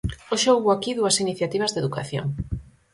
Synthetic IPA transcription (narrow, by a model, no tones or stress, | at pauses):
oʃowβoakiðuɐsiniθjat̪iβɐzðeðukaθjo̰ŋ